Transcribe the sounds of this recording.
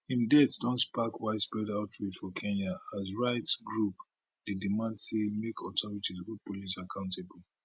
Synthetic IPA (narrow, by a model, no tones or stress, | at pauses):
ĩndɛtd̥ɔ̃ntspakwaɪtspɹɛdaʊtɹidfɔkʰɛ̃naazɹaɪtsɡɹup | d̥edimãndsemekʰɔtʰɔɹitizopɔlisakʰãʊ̃ntʰebɔl